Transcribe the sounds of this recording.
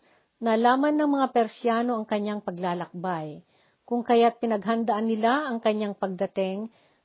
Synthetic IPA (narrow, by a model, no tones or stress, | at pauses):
nɐlaːmɐnːɐŋmɐŋapɛɾsjaːno̞ɐŋkɐɲːaŋpɐɡlaːlɐk̚baj | kʊŋkɐjat̪̚pɪnɐɡɦɐnd̪ɐʔanːɪlaʔɐŋkɐɲːaŋpɐɡ̚d̪ɐt̪ɪŋ